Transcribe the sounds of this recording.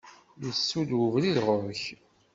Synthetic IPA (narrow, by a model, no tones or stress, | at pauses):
jəsːud̪wuvliðʁoç